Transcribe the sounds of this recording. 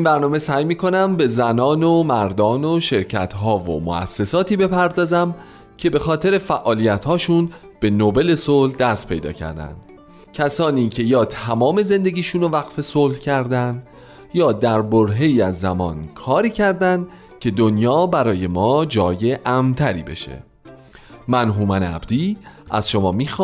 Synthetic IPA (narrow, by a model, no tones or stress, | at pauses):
inbæɾnɒːme̞sæːjmiːkʰo̞næmbe̞zænɒːnomæɾd̪ɒːnoʃe̞ɾcʰæ̰t̪ɦɒːvo̰mo̰ʔæ̰sːe̞sɒːt̪ʰiːbe̞pʰæɾd̪ɒːzæm | cʰe̞be̞xɒːt̪ʰe̞ɾe̞fæʔɒːlijæt̪hɒːʃuːn | b̥e̞nobe̞le̞solhd̪æst̪pʰe̞̰jd̪ɒ̰ːcʰæ̰ɾd̪æ̰nd̪̥ | cʰæsɒːniːcʰe̞jɒːt̪ʰæmɒːme̞ze̞nd̪e̞ɟiːʃuːnovæɣfe̞soːlhcʰæɾd̪ænd̪ | jɒːd̪æɾboɾɦe̞jiːæzːæmɒ̰ːnkʰɒːɾiːcʰæɾd̪ænd̪ | cʰe̞d̪onjɒːbæɾɒːje̞mɒːd͡ʒɒːje̞ʔæmt̪ʰæɾḭːbe̞̰ʃḛ | mænɦumænæ̰bd̪̥iːʔæz̥ʃo̞mɒːmiːx